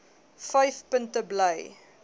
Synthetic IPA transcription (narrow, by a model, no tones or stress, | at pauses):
fɐjfpəntəbləj